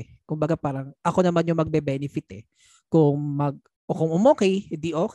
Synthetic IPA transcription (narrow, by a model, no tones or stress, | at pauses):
kʊmbɐɡapaːɾɐŋʔɐko̞nɐmanjoŋmɐɡ̚bɛbɛnɪfɪt̪ɛ | kʊŋmɐɡ̚ | ʔokʊŋʔʊmoːkɛjɪnd̪iʔoːk